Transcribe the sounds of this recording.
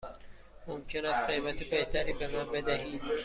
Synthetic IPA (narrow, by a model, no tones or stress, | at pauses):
momcʰenæst̪̚ɡejmæt̪ʰebeht̪ʰæɾiːbenɑːbed̪æɦiːd̪